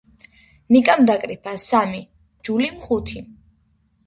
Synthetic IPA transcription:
nikʼamd̪akʼɾipʰasami | d͡ʒulimχut̪ʰi

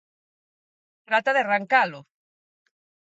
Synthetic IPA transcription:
t̪ɾat̪aðearaŋkalo

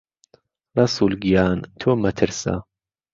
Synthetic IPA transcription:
lɑsuːlɡijaːnt̪ʰoːmɐt̪ʰɨɾsa̰

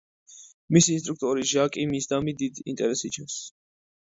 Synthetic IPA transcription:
misiins̬t̪ʼɾuk̚ʰt̪ʼɔɾiʒakʼimisd̪amid̪id̪ḭnt̪ʼɛɾɛsit͡ʃʰɛ̃ns

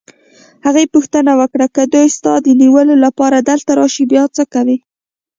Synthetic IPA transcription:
haɣepuxt̪ənawəkɽakəd̪ujst̪ɑd̪əniwəlolapɑɾad̪əlt̪aɾɑʃibjɑt͡səkawi

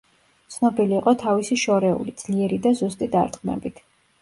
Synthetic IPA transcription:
t̪sʰnɔbiliːqʼɔt̪ʰavisiʃɔɾɛṵlid̪z̥liɛɾid̪azust̪ʼid̪a̰ɾt̪ʼqʼmɛ̰bit̪ʰ

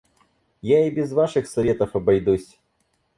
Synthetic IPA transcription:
jaibʲɪzvaʂɨxsɐvʲet̪ɐfɐbɐjd̪usʲ

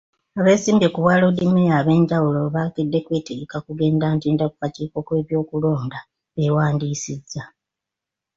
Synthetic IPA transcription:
aβe̞ːsiːmbekuβwaːlo̞dimejaβe̞ːɲɟawulo̞βakedːe̞kwe̞ːteɡekakuɡe̞ːndaːntiːndaku̥kaciːko̞kwe̞ːβjo̞ːkulo̞ːnda | ewaːndiːsizːa

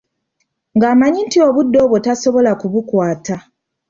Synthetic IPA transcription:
ŋɡaːmaɲintio̞βudːo̞ːβwotaso̞βo̞lakuβukwaːta

